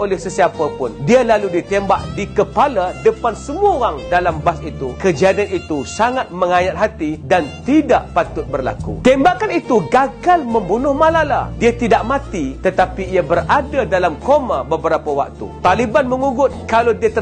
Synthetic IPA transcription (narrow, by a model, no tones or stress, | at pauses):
olɛhsəsiapapʊndialaludit̪embaʔdikəpaladəpansəmuaoaŋdalambasit̪ukəd͡ʒiadanit̪usaŋat̪̚məŋajat̪̚ɦat̪idant̪idaʔpat̪ʊt̪̚bərla̰kṵt̪embakanit̪uɡaɡalmə̃mbunʊhmalala̰diat̪idaʔmãt̪it̪ət̪apiiabəradadalamkomabəbəɾapawa̰k̚t̪ṵt̪alibanməŋuɡʊt̪̚kalawdiat̪ə